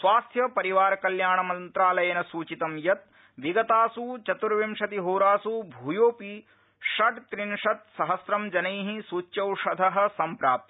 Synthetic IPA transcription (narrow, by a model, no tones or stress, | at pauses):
sʋaːst̪ʰjɐpɐɾiʋaːɾɐkɐljaːɳɐmɐnt̪ɾaːlɐjɐːnɐsuːt͡ʃit̪ɐmjɐt̪̚ | ʋiɡɐt̪aːsuːt͡ʃɐt̪uɾʋimʂɐt̪iɦoːɾaːsuːbʱujoːpi | ʂɐʈt̪ɾinʂɐt̪̚sɐɦɐsɾɐmd͡ʒɐnɐjɦisuːt͡ʃjɐwʂɐd̪ʱɐɦɐ̆sɐmpɾaːp̚t̪i̥